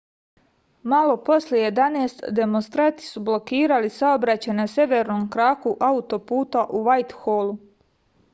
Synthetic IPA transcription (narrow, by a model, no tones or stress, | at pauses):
malo̞po̞sljeje̞d̪aneːst̪d̪e̞monst̪ɾant̪i̥sublo̞kiːɾalisaobɾat͡ɕajnasje̞ʋe̞ɾnoːmkɾaːkuʔaut̪o̞puːt̪aʔuʋajt̪xolˠu